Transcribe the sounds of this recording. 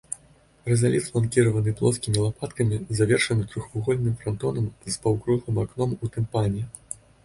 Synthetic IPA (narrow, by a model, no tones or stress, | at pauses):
rɛzalʲit̪lˠankʲiɾɐvɐnɨplˠɔskʲimʲilˠapat̪kɐmʲizavʲɛrʂɐnɨt̪ɾuxvuɣɔlʲnɨmfɾant̪ɔnɐmzpawkɾulˠɨmaknɔmut̪ɛmpanʲɛ